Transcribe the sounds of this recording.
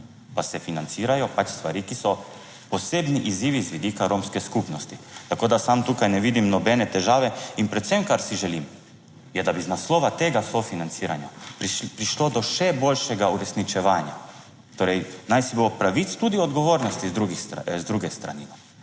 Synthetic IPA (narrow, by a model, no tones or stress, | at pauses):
pasɛfinant̪siːɾajɔpat͡ʃst̪ʋaɾiːkisɔ | poseːbniʔiziːʋizʋid̪iːkaɾomskɛskupnɔst̪it̪akoːd̪asamt̪uːkajnɛʋiːd̪imnɔbɛnɛt̪ɛʒaːʋɛinpɾɛt̪sɛmkaɾsiʒɛlim | jɛd̪abiznasloːʋat̪eːɡasofinant̪siːɾanjapɾiʃlod̪ɔʃɛbolʃɛɡauɾɛsnit͡ʃɛʋaːnja | t̪oːɾɛjnajsibopɾaʋit̪st̪ud̪iɔd̪ɡɔʋoːɾnɔst̪izd̪ɾuɡizd̪ɾuɡɛst̪ɾa̰nina